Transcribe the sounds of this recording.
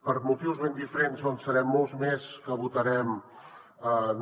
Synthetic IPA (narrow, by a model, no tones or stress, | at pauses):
pəɾmut̪iwzβend̪ifəɾenzonsəɾɛmːɔlˠzmeskəβut̪əɾɛm | ən